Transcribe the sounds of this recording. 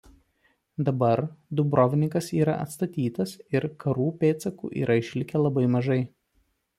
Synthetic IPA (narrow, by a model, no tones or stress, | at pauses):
d̪ɐbɐɾd̪ʊbɾɔʋʲɪnʲɪŋkɐsiːɾɐʔɐ̰t̪st̪ɐt̪ʲiːt̪ɐsɪɾkʰɐɾuːpʲeːt̪sɐkṵːʔḭːɾʔɐɪʃʲlʲɪkʲɛlˠɐbɐɪmɐʒɐɪ